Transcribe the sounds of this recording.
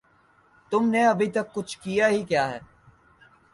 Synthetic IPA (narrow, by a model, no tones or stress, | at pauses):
t̪ʊmneɐbʱit̪ɐkːʊt͡ʃʰkijaɦikjaːɦɛ̰ː